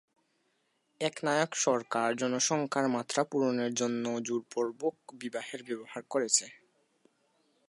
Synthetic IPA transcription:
ɛknajokʃɔɾkaɾd͡ʑɔnoʃɔŋkʰaɾmat̪ːɾapuɾoneɾd͡ʑonːod͡ʑuɾpoɾbok̚bibaɦeɾbɛbohaɾkoɾet͡ɕʰe

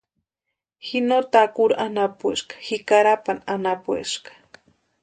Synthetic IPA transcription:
xinot̪akuɾanapueʃkḁxikaɾapananapwḛʃkḁ

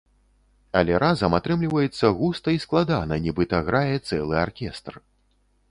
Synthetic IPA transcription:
ɐlʲɛɾazɐmat̪ɾɨmlʲivɐjɛt̪sːɐɣust̪ɐisklˠad̪anɐnʲibɨt̪ɐɣɾajɛt̪sɛlˠɨa̰rkʲɛst̪r

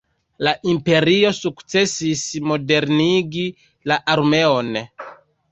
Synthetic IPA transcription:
laʔimpe̞ɾio̞sukt͡sesismo̞de̞ɾniɡi | laʔaɾme̞on

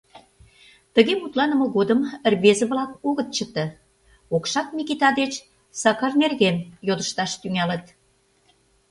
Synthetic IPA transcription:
t̪ə̆ɣemut̪lɑnə̆mɤ̆ɣod̪əmə̆rβezə̆βlɑkoɣət̪̚t͡ɕət̪ə̆ | okʃɑk̪̚mikit̪ɑd̪et͡ɕ | sɑkɑrnerɣenjod̪ə̆ʃt̪ɑʃt̪yŋælə̆t̪

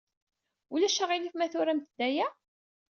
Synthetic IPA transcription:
ulæʃæʁilifmæθʊɾæmt̪d̪ːæjæ

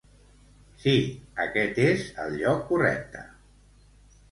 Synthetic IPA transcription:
siəkɛt̪ezə̰lˠʎɔkːurɛ̰k̚t̪ə

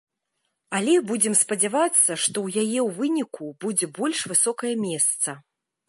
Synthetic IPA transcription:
alʲɛbud͡zʲɛmspɐd͡zʲavat̪sːɐʂt̪ɔwjajɛwvɨnʲikubud͡zʲɛbɔlʲʂvɨsɔkɐjɐmʲɛst̪sɐ

